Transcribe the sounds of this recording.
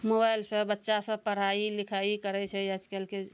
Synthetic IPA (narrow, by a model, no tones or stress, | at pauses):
mobajlsə̃bətːʃasə̃pəɾ̤ailikʰaikəɾɛt͡ʃʰɛəd͡ʒkɛlke